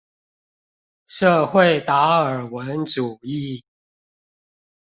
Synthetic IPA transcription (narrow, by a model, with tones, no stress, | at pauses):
ʂɤ˥˧xwe˥˨ɪt̪a˧˥ə˨˩wə˨˦nʈ͡ʂu˨˩i˥˨